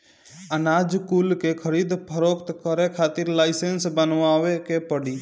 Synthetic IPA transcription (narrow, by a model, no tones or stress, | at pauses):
ənaːd͡ʒkuːlkekʰəɾiːd̪pʰəɾoːkt̪kəɾekʰaːt̪ɪɾlaːɪsensbənʋaːʋekepəɽiː